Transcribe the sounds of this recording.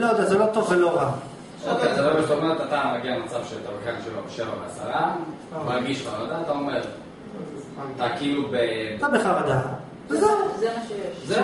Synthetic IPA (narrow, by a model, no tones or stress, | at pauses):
lojd̪azelo̞t̪o̞vːelo̞ʁa | ofet̪abemeʃt̪aomeʁet̪at̪amaɡialmat͡savʃelt̪avkanʃelobeʃevabeasa̰ʁa | alɡiʃχavad̪aːt̪aomeʁ | t̪aːkilubet̪abeχaʁad̪a | zezemaʃejeʃze